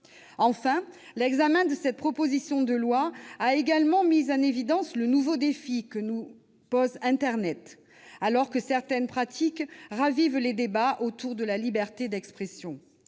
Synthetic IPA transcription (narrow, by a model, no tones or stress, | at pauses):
ɑ̃fɛ̃ | lɛɡzamɛ̃d̪əsɛt̪̚pχɔpozisjɔ̃d̪əlwaaeɡalmɑ̃mizɑ̃nevid̪ɑ̃slənuvod̪efikənu | pɔzɛ̃t̪ɛʁnɛt̪ | alɔʁkəsɛʁt̪ɛnpχat̪ʰikʁavivled̪ebaʔot̪uʁd̪əlalibɛʁt̪ed̪ɛkspχesjɔ̃